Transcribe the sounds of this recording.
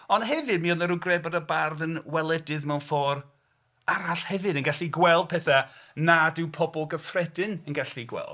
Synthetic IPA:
ɔnɦɛvɨdmiɔnəɾuɡrɛbadəbarðənwɛlˠɛdɨðmɛwnfɔːr | aɾaɬhɛvɨdənɡaɬiɡwɛlˠd̚pʰɛθanadɪwpʰɔbɔlˠɡəfrɛdɨnənɡaɬiɡwɛ̰lˠd

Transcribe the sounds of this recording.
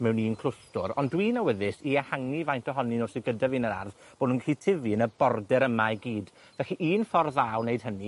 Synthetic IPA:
mɛwniːnkʰl̥ˠʊstʊɾɔndwiːnawəðɪsiahaŋivajntʰɔɦɔninosiɡədavinəɾa̰rðb̥oːdnunkʰitʰɪviənəbɔrdɛɾəmajɡiːd | vɛxiʔiːnfɔrðaːwnejd̥ɦəni

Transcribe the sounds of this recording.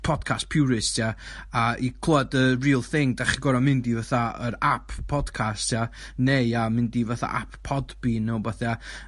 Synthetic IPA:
pʰɔd̥kʰastpʰɪwɾɪstʰiaaikʰl̥ˠɔdəriːlˠθɪŋdaχiɡɔɾamɪndivaθaə̰ɾapʰːɔd̥kʰastʰja | nejamɪndivaθa̰ʔa̰ppʰːɔdbinowbaθa

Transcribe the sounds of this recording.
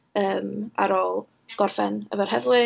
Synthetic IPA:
əːma̰ɾoːlˠ | ɡ̥ɔrfɛnə̰vɛr̥ɦɛðlˠɨ

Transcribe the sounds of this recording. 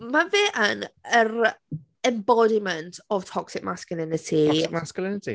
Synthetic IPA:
maveːʔənəɾ | ɛ̃mbɔdiməntʰɔv̥tʰɔksɪk̚maskəlˠɪnɪtʰikmaskəlˠɪnɪtʰḭ

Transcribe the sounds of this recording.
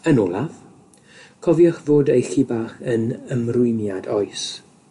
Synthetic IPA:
ənɔːlˠav | kʰɔvjɔχvoːdejɬibaχənəmrʊjnjadɔjs

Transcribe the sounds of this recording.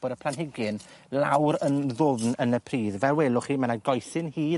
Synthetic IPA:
b̥ɔdəpʰl̥ˠanɦɪɡɪnlˠawɾənðʊvnənəpʰriːðvɛwɛlˠʊχiːmanaɡɔjθɪnhiː

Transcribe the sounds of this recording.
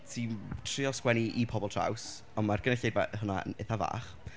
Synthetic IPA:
tʰintʰriɔskwɛniʔipʰɔbɔlˠtʰra̰ws | ɔnmarɡ̥ənɛɬejvaɦʊnaə̰neθava̰ːχ

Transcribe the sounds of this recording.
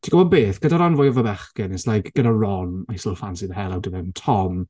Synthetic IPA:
tʰiɡɔvɔbeːθɡ̥ədaɾanvʊjɔvəbɛχɡ̥ɪnɛslajkɡ̥ədarɔnajsəlˠfansɪðəhɛlˠawdəðɛntʰɔm

